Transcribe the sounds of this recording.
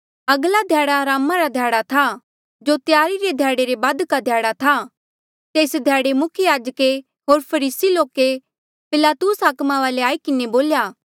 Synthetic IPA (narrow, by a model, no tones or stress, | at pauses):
ɐɡlad̪ʱjaːɽaɾaːmaɾad̪ʱjaːɽat̪ʰa | d͡ʒot̪jaːɾiɾed̪ʱjaːɽeɾebaːd̪kad̪ʱjaːɽat̪ʰa | t̪eːsd̪ʱjaːɽemʊkʰjaːd͡ʒəke | ɦoːɾpʰɐɾiːsiloːke | pɪlaːt̪usɦaːkmaʋaːleaːikɪneboːljaː